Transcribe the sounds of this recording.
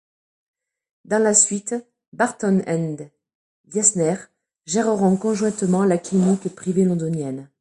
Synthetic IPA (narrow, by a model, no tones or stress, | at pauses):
d̪ɑ̃lasɥit̪ | baʁt̪ɔnɛ̃nd̪ | ɡjasnɛʁ | ʒɛʁəʁɔ̃kɔ̃ʒwɛ̃t̪mɑ̃lakinikpχivelɔ̃d̪ɔnjɛn